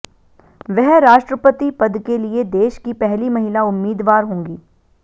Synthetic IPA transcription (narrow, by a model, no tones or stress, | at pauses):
ʋɛɦɾaːʃʈɾəpət̪ipɐd̪kelied̪eːʃkipɛɦlimɐɦɪlaʊmːiːd̪ʋaːɾɦõːŋɡiː